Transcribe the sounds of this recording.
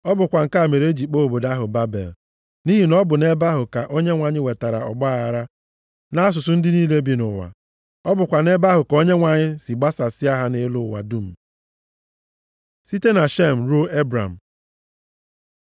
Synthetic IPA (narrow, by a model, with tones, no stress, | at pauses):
ɔ˦bʊ˨kʷa˨ŋ̩˨ka˦a˨me˨ɾe˦d͡ʒi˨k͡po˦˨bo˨da˦ɦʊ˨ba˦bḛ˨l | ni˦ɦi˨nɔ˦bʊ˨ne˦ba˦ɦʊ˨ka˨ʔo˦ɲe˦ŋʷa˨ɲɪ˦we˨ta˨ɾa̰˨ɔ̰˨ɡ͡ba˦˨a˨ɾa˦ | na˦a˦s̬ʊ˨sʊ˨n̩˦dɪ˦niː˦le˦bi˦nʊ˨wa̰˨ | ɔ˦bʊ˨kʷa˨ne˦ba˦ɦʊ˨ko˦ɲe˦ŋʷa˨ɲɪ˦si˨ɡ͡ba˦sa˨sɪ˦a˦ɦa˦ne˦lʊ˨wa̰˨du˦m̩˨ | si˦te˦na˨ʃe˦m̩˨ɾo˦e˦bɾa̰˨m̩˨